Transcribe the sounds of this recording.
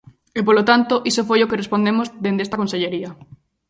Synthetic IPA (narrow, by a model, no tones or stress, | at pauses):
epolot̪ant̪oʔisofojokerespond̪emozd̪end̪est̪ɐkõnseʎeɾiɐ